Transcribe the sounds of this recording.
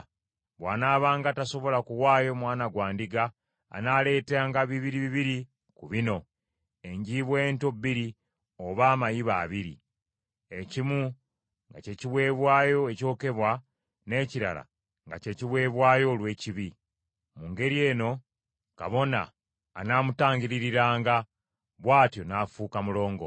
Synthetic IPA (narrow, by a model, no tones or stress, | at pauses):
βwaːnaːβaːŋɡataso̞βo̞lakuwaːjo̞mwaːnaɡwaːndiɡa̰ː | nale̞ːtaːŋɡaβiβiɾiβiβiɾi | kuβino̞ | e̞ɲɟiːβwe̞ːntobːiɾi | oβaːmajiβaːβiɾḭ | ecimu | ŋɡa̰ce̞ciβwe̞ːβwaːjo̞eco̞ːke̞βwa | ne̞ːciɾa̰la̰ | ŋɡace̞ciβwe̞ːβwaːjo̞lwe̞ːciβi | muŋɡe̞ɾie̞ːno̞ | ka̰βo̞na̰ː | namutaːɲɟiɾiɾiɾaːŋɡa | βwaːtjo̞naːfuːkamulo̞ːŋɡo̞̰